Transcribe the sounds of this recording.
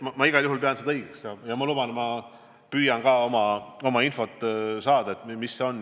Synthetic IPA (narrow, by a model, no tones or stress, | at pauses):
mɑmɑiɡ̥ɑljuɦulpeɑnsed̪ɑɤɡ̥eksjɑjɑmɑlubɑnet̪mɑ | pyːjɑnɡɑːo̞mɑo̞mɑinfo̞t̪ːˑsɑːd̪̥ɑet̪misːe̞o̞n